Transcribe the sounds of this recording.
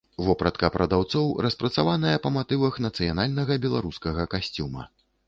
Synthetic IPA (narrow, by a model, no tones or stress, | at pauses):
vɔpɾɐt̪kɐpɾɐd̪awt̪sɔwɾɐspɾɐt̪savanɐjɐpɐmat̪ɨvɐxnɐt̪sɨjanalʲnɐɣɐbʲɛlˠaɾuskɐɣɐkasʲt͡sʲumɐ̰